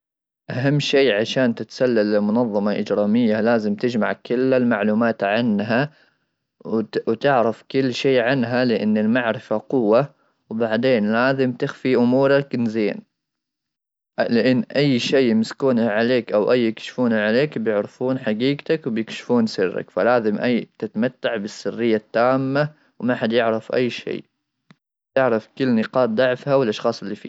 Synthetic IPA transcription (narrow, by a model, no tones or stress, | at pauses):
ʔaɦamːʃeːʕaʃaːnt̪ɪt̪salːalːɪmʊnɑðˤːɑmɑʔɪd͡ʒɾɑːmɪjːalaːzɪmt̪ɪd͡ʒma̰ʕkɪlːalmaʕluːmaːt̪ʕanɦa | wt̪ɪʕɾɪfkɪlːʃeːʕanɦalɪʔɪnːɪlmaʕɾɪfaqʊwːa | wbaʕd̪eːnlaːzɪmt̪ɪxfiʔʊmuːɾˤaknzeːn | lɪʔɪnːʔajːʃejmɪskuːnaʕaleːkʔawʔajːɪkʃfuːnaʕaleːkbjɪʕɾɪfuːnħaɡiːɡt̪akwbjɪkʃɪ̥fuːnsɪrːa̰kfalaːzɪmʔajːt̪ɪt̪mat̪ːaʕbɪsːɪrːɪjːat̪ːaːmːa | wmaħad̪jɪʕɾɑfʔa̰jːʃḛː | t̪ɪʕɾɑfkʊlːnɪqɑːt̪̚d̪ɑʕfhawɪlʔɑʃxɑːsˤɪlːiːfḭː